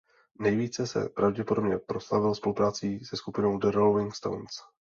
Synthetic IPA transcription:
nɛjviːt͡sɛsɛ̰pɾavɟɛpodo̞bɲɛpɾo̞slavɪlspo̞lupɾaːt͡siːsɛskupɪno̞wdɛɾolvɪŋkst̪o̰wns

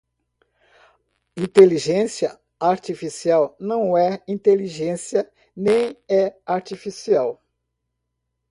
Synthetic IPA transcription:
ĩt̪eliʒẽsiɐ | aɾt͡ʃifisiawnɐ̃w̃ɛĩnt̪eliʒẽsiɐ | nẽj̃ɛaɾt͡ʃifisiaw

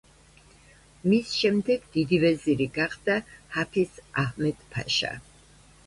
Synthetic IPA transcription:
misʃɛmd̪ɛɡd̪̥id̪ivɛziɾiɡaχd̪ahapʰisahmɛd̪̥pʰa̰ʃa̰

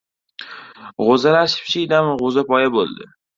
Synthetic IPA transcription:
ʁozalaɾʃɪ̥pʃɪd̪amʁozapɒjabo̰lˠd̪ɪ̰

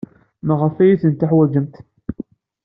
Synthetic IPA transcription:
məʁəfæjiθənt̪aħwæd͡ʒəmt̪

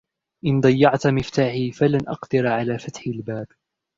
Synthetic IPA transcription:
ʔɪnd̪ˤɑjːɑʕt̪mɪft̪aːħiːfalanʔɑqd̪ɪɾʕalaːfat̪ħalbaːb

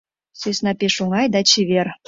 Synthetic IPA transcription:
søsʲnɑpeʃuŋɑjd̪ɑt͡ɕeβer

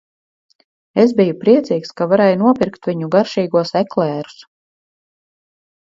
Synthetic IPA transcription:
ezbijupɾiɛt̪siːkskavaɾɛjnuɔpʲiɾkt̪vʲiɲuɡaɾʃiːɡuɔsɛklɛːɾu̥s

